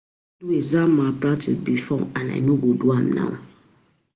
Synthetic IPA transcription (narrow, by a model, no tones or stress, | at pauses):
duezamapɾatisbifɔŋana̰inuɡoduamna̰